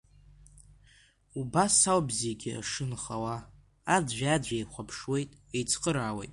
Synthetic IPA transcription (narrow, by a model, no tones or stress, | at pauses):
ubasawbziɡʲia̰ʂɨnχawa | adʒʷᶣad͡zd͡ʒʷᶣejχʷapʰʂwe̞jtʼejt͡sʰqʼəɾaːwejtʼ